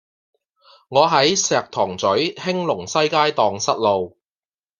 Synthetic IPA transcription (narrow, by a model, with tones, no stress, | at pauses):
ŋɔː˨˧ɦɐ˨˥jsɛː˨˧k̚t̪ʰɔː˨˩ŋt͡sɵ˨˥ɥhɪ˥ŋlʊ˨˩ŋsɐ˥jkaː˥jt̪ɔː˨˧ŋsɐ˥t̚lo˨w